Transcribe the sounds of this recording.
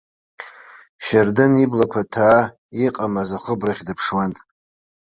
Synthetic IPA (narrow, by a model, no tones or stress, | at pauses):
ʃardɨniblakʷʰatʰaː | iqʼamazaχʷʊbraχʲdɨpʰʂwantʼ